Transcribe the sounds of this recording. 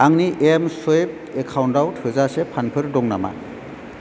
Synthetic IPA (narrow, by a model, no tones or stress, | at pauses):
aŋniʔemsojp̚ | ekʰawndawthɯzasepʰanpʰɯɾdɔŋna̰ma̰